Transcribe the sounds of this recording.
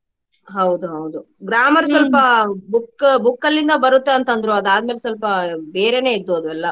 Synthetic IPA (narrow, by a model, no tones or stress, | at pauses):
ɦɐwd̪uɦɐwd̪u | ɡɾaːmɐɾsɔlpɐbukːbukːɐlːind̪ɐbɐɾut̪ːeɐnt̪ɐnd̪ɾuɐd̪aːd̪meːlesɔlpɐbeːɾene̞ːid̪ːoːd̪uɛlːɐ